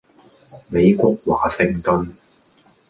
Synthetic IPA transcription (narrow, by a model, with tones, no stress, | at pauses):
me˨˧jkʷɔː˧k̚wa̰ː˨sɪ˧ŋt̪ɵ˧n